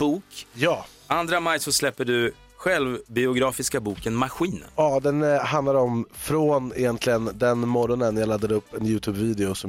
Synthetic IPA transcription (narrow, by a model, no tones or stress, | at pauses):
b̥uːkjɑː | ʔand̪ɾamajsɔslɛpːəɖɵ | ɧɛlvbɪʊɡɾɑːfɪskabuːkənmaɾɧiːnəɑːd̪ɛnɦand̪laɾɔmfɾoːnɪjɛnt̪ʰlɪɡənd̪ɛnmɔɾɔnənjalad̪ːad̪əɵpːɛnjʉ̟ːt̪ʰʉːbviːd̪ɛʊsɔm